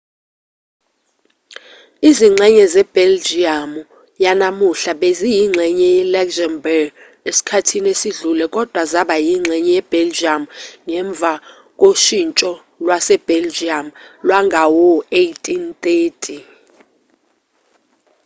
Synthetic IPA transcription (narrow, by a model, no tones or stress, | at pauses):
iziŋ͡ǀʱɛɲɛzɛb̥ɛld͡ʒiamu | janamuɬaɓezijiŋ͡ǀʱɛɲɛjɛlɛkzanbɛɡ | esi̥kʰatʰinesiɮulɛkʼɔd̥ʱwazaɓajiŋ͡ǁʱɛɲɛjɛb̥ʱɛld͡ʒiamŋɛɱb̪vʱa | kʼoʃint͡ʃʼɔ | lwasɛb̥ʱɛld͡ʒiamlwaŋʱawɔejtʼint̪ʼeːtʼi